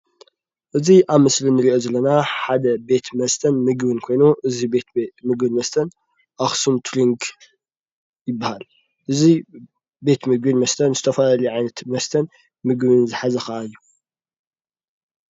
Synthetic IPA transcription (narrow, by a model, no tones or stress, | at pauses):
ʔɨziʔaβmɨslinɨɾiʔo̞zɐlːɐnaħad̪ɐbe̞t̪mɐst̪ʰɐnmɨɡbɨnkʰo̞jnuʔɨzibet̪mɨɡbɨnmɐst̪ʰɐn | ʔaxsumt̪ʰliŋɡ | jɪbːahal | ʔɨzi | be̞t̪mɨɡbɨnmɐst̪ʰɐnzɨt̪ʰɐfɐlaliʕajnɐt̪mɐst̪ʰɐn | mɨɡbɨnzɨħazɐxɐʔajːu